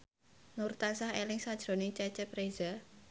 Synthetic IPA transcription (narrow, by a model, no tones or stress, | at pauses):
nurt̪asahelɪŋsad̥ʒ̥ɾo̤nɪŋt͡ʃɛt͡ʃɛpɾeza